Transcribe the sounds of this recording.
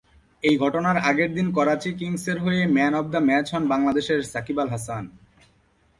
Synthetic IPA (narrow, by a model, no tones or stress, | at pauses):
ejɡʱɔʈonaɾaɡeɾd̪inkɔɾat͡ɕikiŋseɾɦoemɛnɔb̚d̪amɛt͡ɕɦɔnbaŋlad̪eʃeɾsakibalɦasan